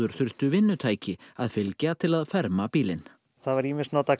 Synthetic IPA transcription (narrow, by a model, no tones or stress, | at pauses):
ʏɾ̥θʏɾ̥st̪ʏvɪnːʏt̪ʰaːjcɪaðfɪlcat̪ʰɪlaðfɛɾmapiːlɪn | θaðvaɾimɪsnaːt̪a